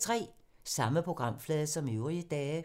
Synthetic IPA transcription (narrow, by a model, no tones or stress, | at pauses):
t͡sʰʁɛ̰ː | sɑ̈məpʰo̝ɡ̥ʁɑ̈m̰flɛːðˠɐsɒ̽meʊʁiəd̥ɛː